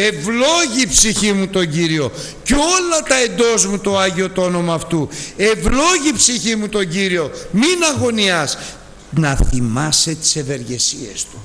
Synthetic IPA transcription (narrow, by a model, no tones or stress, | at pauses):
e̞vlo̞ʝipsiçimut̪o̞ɲɟiɾio̞ | ceo̞lɐt̪ɐe̞nd̪o̞zmut̪oɐʝio̞t̪o̞no̞mɐːft̪ue̞vlo̞ʝipsiçimut̪o̞ɲɟiɾio̞minɐɣo̞niɐs | nɐθimɐse̞t̪i̥se̞ve̞ɾʝe̞sie̞̰st̪u̥